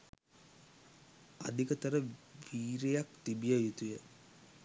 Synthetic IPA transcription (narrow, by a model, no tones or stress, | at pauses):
a̰d̪ʱikət̪əɾəʋiːɾejakt̪ibijajut̪ujə